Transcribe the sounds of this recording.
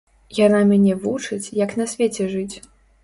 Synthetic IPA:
janamʲanʲɛvut͡ʂɨt͡sʲjɐknɐsʲvʲet͡sʲɛʐɨt͡sʲ

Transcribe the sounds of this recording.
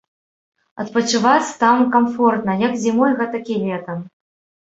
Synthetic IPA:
ɐ̰t̪̚pɐt͡ʂɨvat͡sʲt̪amkamfɔrt̪nɐjɐkzʲimɔjɣɛt̪ɐkʲilʲɛt̪ɐm

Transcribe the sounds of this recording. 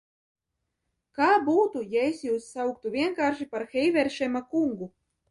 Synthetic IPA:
kaːbuːt̪ujaesjuːsːawk̚t̪uvʲiɛŋkaːɾʃipaɾxɛjvɛɾʃɛmakuŋɡu

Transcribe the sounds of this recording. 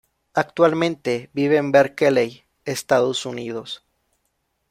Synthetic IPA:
ak̚t̪walmẽnt̪e̞biβeːmbeɾkelej | est̪aðosuniðos

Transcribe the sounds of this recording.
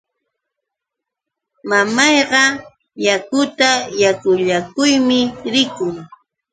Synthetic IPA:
mamɑjɢɑ | jakʊt̪ajakʊʎakʊjmɪɾɪkʊŋ

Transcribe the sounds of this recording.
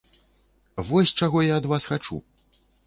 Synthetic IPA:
vɔsʲt͡ʂaɣɔjaɐd̪vasxat͡ʂṵ

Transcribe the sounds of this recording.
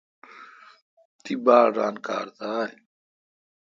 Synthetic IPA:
t̪ibaːɾɾaːnka̰ːɾd̪aːj

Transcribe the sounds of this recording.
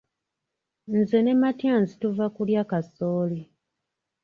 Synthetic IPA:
n̩ze̞ne̞matjaːnzituvakuljaːkasoːli

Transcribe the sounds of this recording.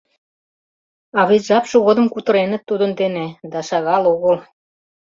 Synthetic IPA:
ɑβet̪ʲʒɑpʃoɣod̪ə̆mkut̪ɤ̆ɾenə̆t̪ːud̪ə̆nd̪ened̪ɑʃɑɣɑloɣəl

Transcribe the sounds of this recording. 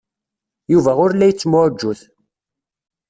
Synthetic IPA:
juvæʊɾlːæjət͡sːmʊʕd͡ʒːuθ

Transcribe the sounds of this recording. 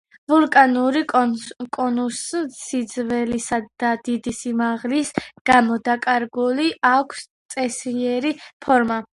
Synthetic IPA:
vulˠkʼanuɾikʼɔnussid̪zvɛlisad̪̥ad̪id̪isimaʁlisɡ̥amɔd̪akʼaɾɡuliʔakʷʰst̪sʼɛsiɛɾipʰɔɾma

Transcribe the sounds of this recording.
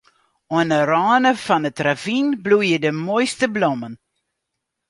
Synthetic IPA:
ɔənərɑːnəfɑnətravinblujədəmojstəbloɔmən

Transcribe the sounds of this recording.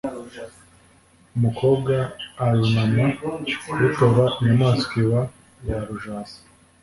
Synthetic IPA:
umukʰo̞bɡaːɾunamawutoβaiɲamaːnskiβa | jaɾuʒaːzḁ

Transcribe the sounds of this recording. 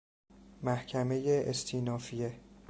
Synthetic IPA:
mæhcʰæme̞jeʔest̪ʰiːnɒːfije

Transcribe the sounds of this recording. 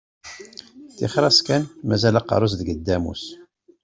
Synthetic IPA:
θɪχɾˤɑskænmæzælɑqɑ̰ɾˤos̬ðəɡəd̪ːæmṵs

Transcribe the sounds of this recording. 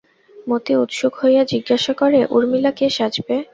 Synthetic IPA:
mot̪iut̪ʃoɡɦojjad͡ʑiɡːaʃakoɾeʔuɾmilakeʃad͡ʑbe

